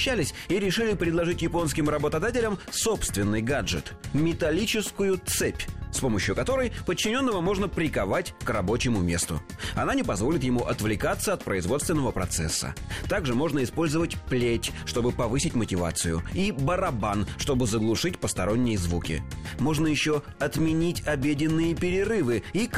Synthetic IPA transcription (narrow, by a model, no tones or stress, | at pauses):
ɕːælʲɪsʲiɾʲɪʂɨlʲɪpɾʲɪd̪lˠɐʐɨtʲjɪpo̞nskʲɪmrəbət̪ɐd̪atʲɪlʲəmso̞pst̪vʲɪnːɨjɡaʐɨ̰t̪mʲɪt̪ɐlʲit͡ɕɪskʊjʊt̪sɛpʲspo̞məɕjʊkɐt̪o̞ɾəjpət͡ɕːɪnʲo̞nːəvəmo̞ʐnəpɾʲɪkɐvatʲkrɐbo̞t͡ɕɪmʊmʲe̞st̪ʊ̰ | ɐ̰nanʲɪpɐzvolʲɪt̪jɪmuʔɐt̪vlʲɪkat̪səɐt̪̚pɾəɪzvot̪st̪vʲɪnːəvəpɾɐ̰t̪sɛ̰sːə̰t̪aɡʐɨmo̞ʐnəɪspo̞lʲzəvətʲplʲetʲʂt̪o̞bɨpɐvɨsʲɪtʲmətʲɪva̰t̪sɨjʊ̰ibəɾɐbanʂt̪o̞bɨzəɡlˠʊʂɨtʲpəst̪ɐɾo̞nʲːɪjzvukʲɪ̰mo̞ʐnəjɪɕːo | ɐt̪mʲɪnʲitʲɐbʲedʲɪnːɨjəpʲɪɾʲɪrɨvɨik